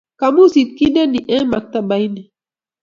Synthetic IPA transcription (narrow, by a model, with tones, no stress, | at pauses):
ka˨mu˦si˨t̪̚ki˦nɛ˦ni˨ʔɛ˦ma˨k̚t̪a˦ba˨i˦nɛ˨